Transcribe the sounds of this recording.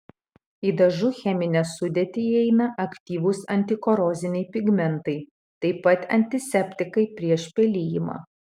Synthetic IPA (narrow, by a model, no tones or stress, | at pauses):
iːd̪ɐʒʊxʲɛmʲɪnʲɛsʊd̪ʲeːt̪ʲɪɛɪnɐʔɐkt̪ʲiːʋʊsɐnʲt̪ʲɪkɔɾɔːzʲɪnʲɛɪpʲɪɡmʲɛnt̪ɐɪ | t̪ɐɪpɐt̪ɐ̰nʲt̪ʲɪsʲɛpʲt̪ʲɪkɐɪpʲɾʲiɛʃpʲɛlʲiːjɪmɑ̰ː